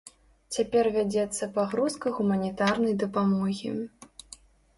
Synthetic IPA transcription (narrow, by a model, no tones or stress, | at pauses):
t͡sʲapʲɛrvʲad͡zʲɛt̪sːɐpɐɣɾuskɐɣumɐnʲit̪arnɐjd̪ɐpamɔɣʲḭ